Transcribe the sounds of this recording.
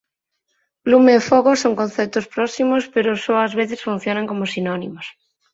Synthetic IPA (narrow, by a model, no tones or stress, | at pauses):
lumeːfoɣosoŋkõnθep̚t̪ospɾosimospeɾosoazβeθesfun̟θjonãŋkomosinonimos